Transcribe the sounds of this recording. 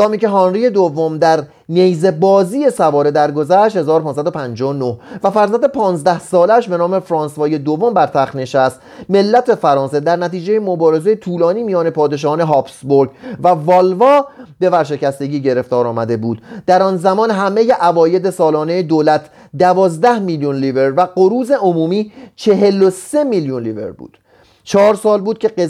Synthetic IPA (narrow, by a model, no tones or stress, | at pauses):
ɒːmiːce̞ɦɒːnɾiːje̞d̪ovːo̞md̪æɾ | nejze̞bɒːziːje̞sævɒːɾe̞d̪æɾɡo̞zæʃt̪he̞zɒːɾopʰɒɑnsæd̪opʰænd͡ʒɒonohvæfæɾzænd̪epʰɒːnzd̪æhsɒːlæʃbe̞nɒːme̞fɾɒːnsvɒːje̞d̪o̞vːo̞mbæɾt̪ʰæxt̪ne̞ʃæst̪ | me̞lːæt̪ʰefæɾɒːnse̞d̪æɾnæt̪iːd͡ʒe̞jemo̞bɒːɾe̞zejet̪ʰuːlɒːniːmijɒːne̞pʰɒːd̪e̞ʃ̬ɒːhne̞ɦɒːpsboɾɡvævɒːlvɒːbe̞væɾʃ̬e̞cæst̪e̞ɟiːɟe̞ɾe̞ft̪ɒːɾɒːmæd̪e̞buːd̪̥d̪æɾɒːnzæmɒːnɦæme̞jeʔævɒːje̞d̪esɒːlɒːne̞jed̪oːlæt̪ʰ | d̪ævɒːzd̪æhmiljunliːveɾvæɡoɾuːze̞ʔomuːmiːt͡ʃʰe̞ɦe̞lose̞miljunlivḛɾbṵːd̪̥ | t͡ʃʰɒːɾsɒːlbuːd̪̚cʰʲe̞e